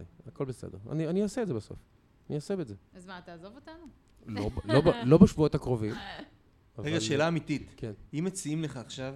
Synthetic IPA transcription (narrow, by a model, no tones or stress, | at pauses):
ako̞lbesḛdeʁa̰nianiasetzebaso̞̰f | aniasebedzeazmat̪aːzovot̪anu | lobloblo̞beʃvuot̪hakʁo̞vim | avʁeaɡaʃe̞ːlaːmit̪it̪kʰenimet͡siimleχaːχʃav